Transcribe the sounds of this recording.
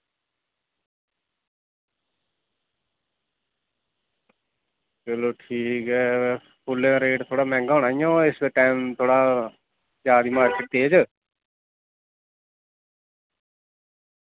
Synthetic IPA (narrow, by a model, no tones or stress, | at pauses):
t͡ʃəloːʈʰiːkɦɛː | pʰʊlẽɾeːʈt̪ʰoːɽaːmɛ̃ːŋɡɦoːɳaːijõːɪsʈaɪmt̪ʰoːɽaː | d͡ʒaːd̪iːmaːɾkeʈ̚d̪eːd͡ʒ